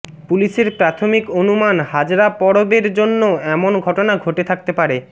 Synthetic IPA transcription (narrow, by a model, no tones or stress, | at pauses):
puliʃeɾpɾat̪ʰomikonumanhad͡ʑɾapɔɽobeɾd͡ʑonːoɛmonɡʱɔʈonaɡʱoʈet̪ʰak̚t̪epaɾe